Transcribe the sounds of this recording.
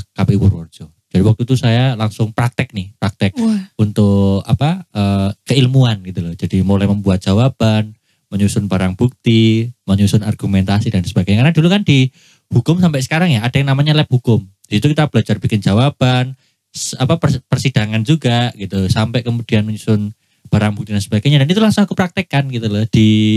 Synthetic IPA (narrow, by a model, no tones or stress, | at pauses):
kapiwurwɔ̰rd͡ʒo | d͡ʒadiwak̚t̪ut̪usajalaŋsʊŋpɾak̚t̪ɪk̚nɪhpɾak̚t̪ɪk̚unt̪ʊka̰paʔəkəilmuanɡit̪ulɔhd͡ʒadimolajməmbuat̪̚d͡ʒ̥awab̥an | məɲusʊnbaɾaŋbuk̚t̪iməɲusʊnarɡumɛnt̪asidansəbaɡajɲakarnadulukandi | hukʊmsampɛʔsə̥kaɾaŋjaːd̥ajaŋnamaɲalɛp̚hukʊmd̥isit̪ukit̪ab̥əlad͡ʒarbikɪnd͡ʒawab̥an | sapapərpərsid̥aŋand͡ʒuɡaɡ̥it̪usampɛʔkəmud̥ianməɲusʊn | b̥aɾaŋbukt̪idansəb̥aɡaɲadanit̪ulaŋsʊŋakupəɾak̚t̪ekanɡit̪ulahd̥i